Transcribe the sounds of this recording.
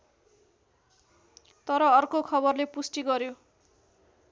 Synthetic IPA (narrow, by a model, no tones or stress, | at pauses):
t̪ʌɾʌːrkokʰʌbʌrlepusʈiɡʌɾjo